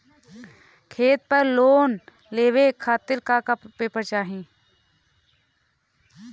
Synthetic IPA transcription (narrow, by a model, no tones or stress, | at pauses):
kʰeːt̪̚pəɾloːn | leːʋekʰaːt̪ɪɾkakappeːpəɾt͡ʃaːɦĩː